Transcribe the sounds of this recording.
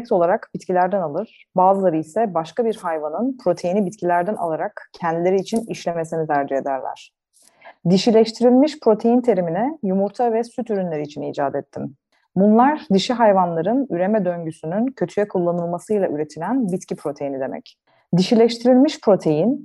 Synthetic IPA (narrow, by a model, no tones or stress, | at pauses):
k̚t̪o̞lˠaɾakbit̪cʰilʲæɾd̪ænalˠɯɾ̥ | baːzɯlˠaɾɯisɛbaʃkabiɾhajvanɯnpʰɾo̞t̪ʰe̞jinibit̪cʰilʲæɾd̪æna̰lˠaɾakcʰɛnd̪ilʲe̞ɾiːt͡ʃʰiniʃlʲeme̞sinit̪ʰæɾd͡ʒɛed̪æɾlʲæ̰ɾ̥ | d̪iʃilʲɛʃt̪ʰiɾilʲmiʃpɾo̞t̪ʰe̞jint̪ʰe̞ɾiminɛjumuɾt̪ʰavɛsyt̪yɾynlʲe̞ɾiːt͡ʃʰiniːd͡ʒaːd̪ɛt̪ʰːim | bunlˠaɾd̪iʃɛɦajvanlˠaɾɯnyɾe̞mɛd̪øɲɟysynyncʰø̞t̪ʰyjɛkʰulˠːanɯlˠmasɯjlˠaʔyɾe̞t̪ʰilʲænbit̪cʰipɾo̞t̪ʰe̞jinid̪e̞mɛ̰c | d̪iʃilʲɛʃt̪ʰiɾilʲmiʃpʰɾo̞t̪ʰe̞jin